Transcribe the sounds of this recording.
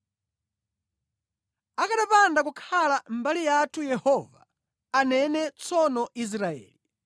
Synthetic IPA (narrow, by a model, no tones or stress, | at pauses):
akaɗapandakukʰalam̩balijatʰujɛhɔva | anɛnɛt͡sʰɔnɔis̬ɾaɛ̰ːli